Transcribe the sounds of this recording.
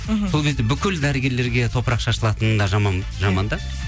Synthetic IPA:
so̞lkʲʰe̞zd̪e̞bʏkʲɪld̪æɾəɡʲe̞ɾle̞ɾɡʲe̞t̪ʰo̞pəɾɑqʃɑʃəlˠɑt̪ənənd̪ɑʒɑmɑn | ʒɑmɑnd̪ɑ

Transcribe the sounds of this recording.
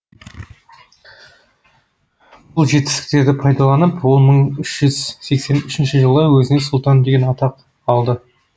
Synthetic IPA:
b̥ʊlˠʒe̞t̪ɪ̥st̪ɪ̥k̚t̪e̞ɾd̪ɪpʰɑjd̪ɑlˠɑnəpwo̞lˠməɴʏʃʒ̥ʏz̥se̞kse̞nʏʃɪnʃɪʒəlˠəwɵzɪnesʊlˠt̪ɑnd̪e̞ɡʲe̞nɑt̪ɑq | ɑlˠd̪ə

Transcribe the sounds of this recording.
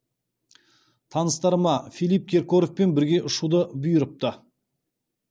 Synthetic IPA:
t̪ʰɑnəst̪ɑɾəmɑfʲijlʲˠijp̚kʲʰe̞ɾkoɾofpe̞nbɪɾɡʲe̞ʔʊʃud̪əbʊjəɾəp̚t̪ə

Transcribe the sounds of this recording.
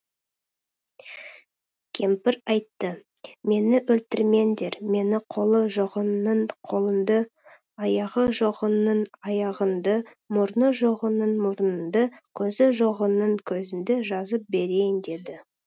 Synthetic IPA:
kʲʰe̞mpɪɾɑjt̪ːə | me̞nɪʔɵlt̪ɪɾme̞nd̪e̞ɾme̞nɪqʰo̞lˠəʒoʁənəɴqʰo̞lˠənd̪ə | ɑjɑʁəʒoʁənənɑjɑʁənd̪ə | mʊɾnəʒoʁənənmʊɾnənd̪əkʲʰɵzɪʒoʁənəɴkʲʰɵzɪnd̪ɪʒɑzəp̚be̞ɾe̞jɪnd̪e̞d̪ɪ

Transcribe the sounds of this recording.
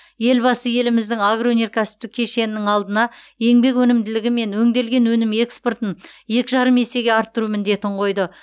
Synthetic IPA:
je̞lbɑsəje̞lɪmɪzd̪ɪŋaɡrowone̞ɾkʲʰæsɪ̥p̚t̪ɪkʲʰːe̞ʃe̞nɪnɪŋɑlˠd̪ənɑje̞ŋbe̞kwɵnɪmd̪ɪlɪɡʲɪme̞nwɵŋd̪e̞lɡʲe̞nwɵnɪme̞kspo̞rt̪ənʒe̞kʲɪʒɑɾəme̞se̞ɡʲeɑɾt̪ːʊɾumɪnd̪e̞t̪ɪɴqʰo̞jd̪ə

